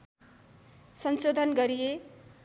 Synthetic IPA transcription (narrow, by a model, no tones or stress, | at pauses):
sʌnsod̪ʱʌnɡʌɾije